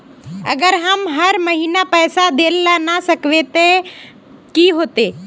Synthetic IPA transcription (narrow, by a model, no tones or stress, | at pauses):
ɐ̰ɡəɾɦəmɦəɾməɦiːnapɛːsad̪eːllanasəkʋet̪ẽ | kiːɦoːt̪e